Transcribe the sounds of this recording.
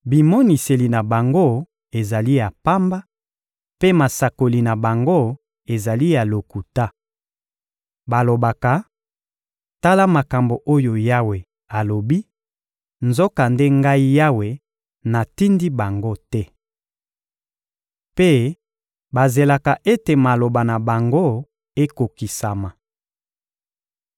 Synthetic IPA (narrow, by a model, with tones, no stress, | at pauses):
bi˨mo˦ni˨se˨li˨na˨ba˨ŋɡo˦ | e˨za˨li˦ja˨pa˦mba˦ | pe˦ma˨sa˨ko˨li˨na˨ba˨ŋɡo˦ | e˨za˨li˦ja˨lo˨ku˨ta˦ | ba˨lo˨ba˨ka˨ | ta˦la˦ma˨ka˨mbo˨ʔo˦jo˨ja˦we˨ | a˨lo˨bi˦ | nzo˦ka˨nde˦ŋɡa˦i˦ja˦we˨ | na˨ti˦ndi˦ba˨ŋɡo˦tɛ˦ | pe˦ | ba˨ze˨la˨ka˨ʔe˦te˨ma˨lo˨ba˨na˨ba˨ŋɡo˦ | e˦ko˨ki˨sa˨ma˨